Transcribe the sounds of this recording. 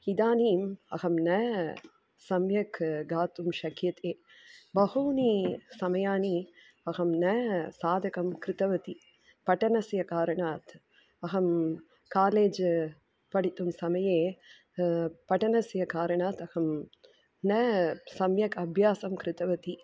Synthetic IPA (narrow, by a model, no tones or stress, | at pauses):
id̪aːniːmɐ̰ɣɐmnɐ | sɐmjɐkɡaːt̪umʃɐkjɐt̪ʰeː | bɐhuːnisɐmɐjaːni | ɐɣɐmnɐsaːd̪ɐkɐmkɾɪt̪ɐʋɐt̪i | pɐʈːɐnɐsjɐkaːɾɐɳaːt̪ | ɐɣɐm | kaːleːd͡ʒ | pɐɽit̪ːumsɐmɐjeː | pɐʈːɐnɐsjɐkaːɾɐɳaːt̪ɐɣɐm | nɐsɐmjɐkɐbʱjaːsɐmkɾɪt̪ɐʋɐt̪i